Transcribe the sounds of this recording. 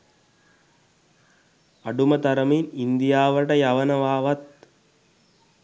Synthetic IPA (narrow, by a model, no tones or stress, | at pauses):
ɐɖumɐt̪ɐɾəminind̪ijaːʋəʈəjaʋɐnɐʋaːʋɐt̪̚